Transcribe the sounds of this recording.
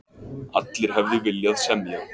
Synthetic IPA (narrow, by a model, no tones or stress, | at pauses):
a̰t̪lɪɾ̥ɦɛvðɪvɪljaðsɛmːja